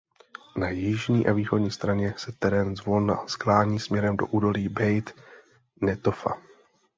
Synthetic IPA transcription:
najɪʒɲiːʔaviːxo̞dɲiːst̪ɾaɲɛsɛt̪ɛɾɛːnzvonasklaːɲiːsmɲɛɾɛmdo̞̰ʔuːdo̞liːbɛjt̪ | nɛt̪ofa̰

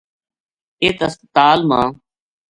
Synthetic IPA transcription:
eːt̪əst̪aːlmã̰ː

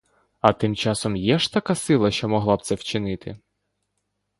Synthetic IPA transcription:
ɐt̪ɪmt͡ʃɑsɔmjɛʒt̪ɐkɑsɪlˠɐʃt͡ʃɔmɔɦlˠɑb̪̚sɛwt͡ʃɪnɪt̪ɪ̰

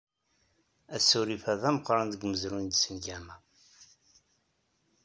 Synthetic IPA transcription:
æsːuɾifæðæməqːɾˤɑnðəɡməzɾund̪səmɡæmæ

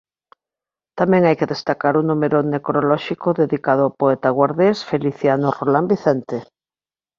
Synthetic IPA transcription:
t̪amɛ̃ŋajkeðest̪akaɾunumeɾonekɾolɔʃikʊðeðikað̞ʊapoɛt̪aɣwaɾðesfeliθjanorolambiθɛnt̪e

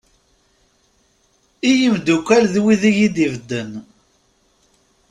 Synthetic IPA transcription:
ijəmd̪ukʷːælðwiðijid̪ivd̪ːən

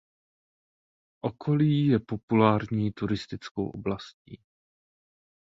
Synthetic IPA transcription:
ʔokʰo̞liːjɛpo̞pulaːɾɲiːt̪uɾɪst̪ɪt͡sko̰wʔo̰blascḭː

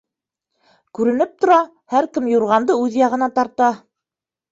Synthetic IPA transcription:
kʉɾɘ̆nɘp̚t̪ŏɾɑ | hæɾkɘmjuɾʁɑnd̪ɤʉðjɑʁɤ̆nɑt̪ɑɾt̪ɑ

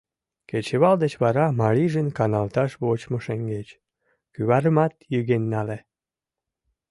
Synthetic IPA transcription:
ket͡ɕeβɑld̪et͡ɕβɑɾɑmɑliʒənkɑnɑlt̪ɑʃβot͡ɕmoʃeŋɡet͡ɕ | kyβɑɾəmɑt̪jyɣenːɑle

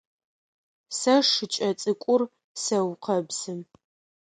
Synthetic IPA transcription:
sɐʂɨt͡ʃʼɐt͡sʼɨkʷʼʊr | sɐwqʰɐbz̥ɨm

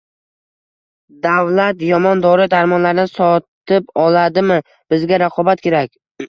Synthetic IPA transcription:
d̪awlat̪jɒmɒnd̪ɒɾɪd̪aɾmɒnlaɾɪnɪsɒt̪ɪpɒlad̪ɪmɪ | b̥ɪzɡʲaɾaqʰɒbat̪̚kʲʰe̞ɾakʲ

